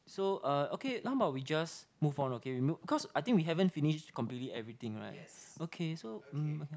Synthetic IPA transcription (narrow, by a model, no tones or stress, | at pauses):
soʌokʰelãŋəbaʊwid͡ʒasmuvɔ̃nokewimubikʰɔsajt̪ĩŋkwiɦɛvə̃nfiniʃtkɔ̃mplitliɛvɹit̪ĩŋɹa̰ɪt̚okʰesom̩oke